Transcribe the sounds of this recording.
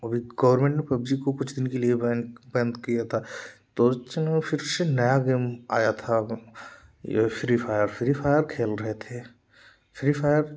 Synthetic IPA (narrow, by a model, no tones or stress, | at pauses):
ɐbʱiɡɐʋəɾmẽːɳʈnepɐbd͡ʒikokʊt͡ʃʰd̪ɪnkeliebɛjə̃nd̪kijat̪ʰat̪ot͡ʃnfɪɾsenɐjaɡeːma̰ːjat̪ʰa | jḛfɾifaːjəɾfɾifaːɪjəɾkʰeːlɾɐɦet̪ʰeː | fɾifaːɪjəɾ